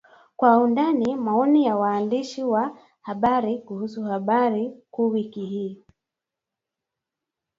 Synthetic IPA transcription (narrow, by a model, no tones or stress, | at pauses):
kwaundanimaɔnijawaːndiʃiwa | haɓaɾikuhusuhaɓaɾikuːwikihiː